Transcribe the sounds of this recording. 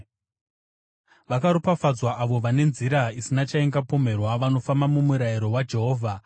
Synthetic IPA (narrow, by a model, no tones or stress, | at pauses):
ʋakaɾupafad͡zwaʔaʋo̞ʋane̞nziɾaisinat͡ʃaeŋɡapo̞me̞rwaʋano̞fambamumuɾaiɾo̞wad͡ʒe̞ɦo̞ːvʱa